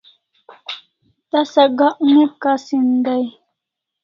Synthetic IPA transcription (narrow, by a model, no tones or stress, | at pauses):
t̪asaɡaʔumep̪̚kasind̪aj